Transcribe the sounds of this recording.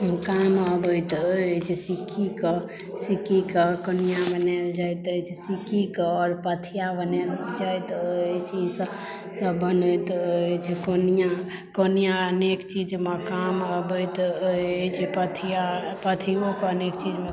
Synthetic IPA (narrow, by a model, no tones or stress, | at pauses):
ɦəmkaməbəjt̪ət͡ʃʰɛsikʰikə | sikikəkənijabəneld͡ʒajt̪ət͡ʃʰisikʰikəːɾpət̪ʰijabəneld͡ʒajt̪əjt͡ʃʰid͡ʒs | səbənət̪əjt͡ʃʰɛkonija | kənijaənekt͡ʃid͡ʒmekaməbəjt̪ | t͡ʃʰipət̪ʰijapət̪ʰiokeənekt͡ʃid͡ʒme